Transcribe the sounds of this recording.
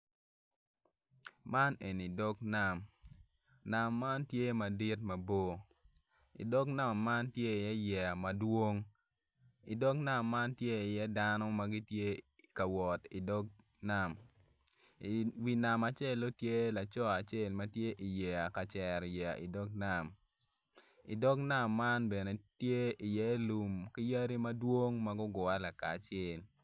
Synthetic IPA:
ma˦ne˨ni˨dɔ˦kna˨m | na˨mːa˦ntje˦ma˨di˦tmɐ˨bo˦ | ḭ˨dɔ˦kna˦˨mːa˦ntje˦i˨jɛ˦jɛ˨a˨mɐ˨dwo˦ŋ | i˨dɔ˦kna˦˨mːa˦ntje˦i˨jɛ˦da˦nɔ˦ma˨ɡi˦tje˦ | ka˨wɔ˨ti˨dɔ˦k | na˨m | i˨wi˨na˨ma˨t͡ʃe˦lːo˦tje˦la˨t͡ʃɔ˦a˨t͡ʃe˦lma˦tje˦ʔi˨jɛ˨a˨ka˨t͡ʃɛ˨ɾjɛ˨a˨ʔi˨dɔ˦ɡna˦˨m | i˨dɔ˦ɡna˦˨mːa˦nbɛ˨ne˨tje˦i˨jɛ˦lu˨mki˦ja˦ɾi˦ma˦dwo˦ŋma˦ɡʊ˦ɡʊ˨a˦la˨ka̰ː˨t͡ʃɛ˦˨l

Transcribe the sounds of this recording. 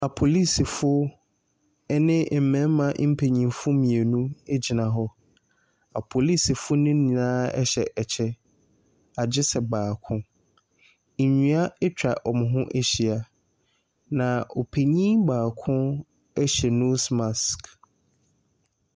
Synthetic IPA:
a˨pʰo˨li˦si˨fʊ˦ | ɛ˦nɪ̃˦m̩˨mɛ̃˨˦m˦mã˨˦m̩˦pʰe˨ɲĩ˨mfʊ˦mĩ˨e˨nũ˦e˦d͡ʑi˨nã˨ɦɔ˦ | a̰˨pʰo˨li˦si˨fʊ˦nʊ̃˦nĩ˨nãː˦ɛ̰˦ɕɛ˨ʔɛ˨t͡ɕʰɛ˦ | a˨d͡ʑɪ˦sɛ˨baː˨kʰʊ̃˦˨ | ɲũ˦a˦ɛ˦t͡ɕᶣa˨ʔɔ˨mʊ̃˨ɦʊ̃˦ʔe˦ɕi˨a˨ | nã˨o̰˨pʰe˨ɲĩ˦ŋbaː˨kʰʊ̃˦ | ɛ˦ɕɛ˨nu˦sma˨sk

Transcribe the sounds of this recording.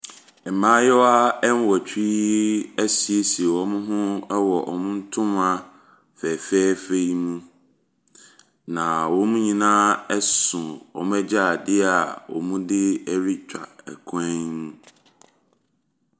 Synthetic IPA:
ɛ˨mãː˦jɛ˦wa˦ɛ˦n˦wɔ˨t͡ɕʰᶣi˦æ˦si˨e˦si˨e˨wɔ˨mʊ̃˦ɦʊ̃˦wɔ˨ʔɔ̰˨mʊ̃˦n̩˦tʰʊ̃˦ma˨ | fɛ˨fɛː˦fe˦ji˦mũ˦ | nã˨wɔ̃˦mũ˦ɲĩ˨nãː˦ɛ˦sʊ̃˨ɔ̰˨mũ˦ɛ˦d͡ʑa˦˨dɪ˦a˨wɔ̰˨mũ˦dɪ˦ɛ˦ɾi˦t͡ɕᶣa˨ɛ˨kʰɛ̃˦nũ˦

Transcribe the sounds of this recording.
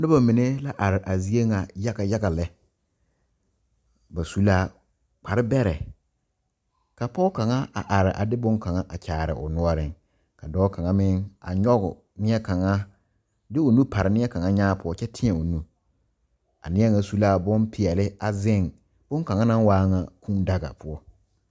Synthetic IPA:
nʊ˦ba˨mĩ˨ne˦la˦ʔa˨ɾɪ˨ʔa˨zi˦e˦ŋa˨ja˦ɡa˨ja˦ɡa˨lɛ˦ | ba˨su˦la˦˨ | k͡pʰa˨ɾɪ˦bɛ˦ɾɛ˨ | kʰa˨pʰɔ˦kʰã˨ŋã˦a˨ʔa˨ɾɪ˨ʔa̰˨dɪ˦bʊ̃˦ŋ˦kʰã˨ŋã˦ʔa˨t͡ɕʰaː˨ɾɪ̰˨ʔʊ̰˨nʊ̃˦ɔ˦ɾɪ̃˨n | kʰa˨dɔː˦kʰã˨ŋã˦mɪ̃˦na̰˨ɲɔ˦ɡʊ˨ | nɪ̃˦ɛ˦kʰã˨ŋã˦ | dɪ˦o˨nũ˦pʰa˨ɾɪ˨nɪ̃˦ɛ˦kʰã˨ŋã˦ɲãː˦pʰʊ˨˦ɔ˦t͡ʃɛ˦tʰɪ̃˦ɛ˨o˨nũ˦ | a̰˨nɪ̃˦ɛ˦ŋã˨su˦laː˦˨bʊ̃˦npʰi˨ɛ˨lɪ˦a˨zɪ̃˦˨n | b̥ʊ̃˦ŋkã˨ŋã˦nã˦waː˦ŋã˨kʰũ˦da˦ɡa̰˨pʰʊ˨˦ɔ˦

